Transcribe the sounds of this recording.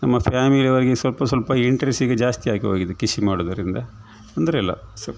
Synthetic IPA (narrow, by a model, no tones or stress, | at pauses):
nɐmːɐpʰaːmiliʋɐɾɡesʋɐlpɐsʋɐlpɐiɳʈɾesiɡed͡ʒaːst̪iaːkiɦoːɡid̪ekiʃimaːɽod̪ɐɾind̪ɐ | ɐnd̪ɐɾeɛlːɐ̰sɐ